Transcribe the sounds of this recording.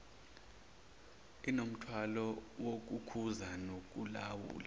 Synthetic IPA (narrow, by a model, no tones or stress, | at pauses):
inom̩tʰwalɔwok̬ukʰuzanok̬ulawṵːla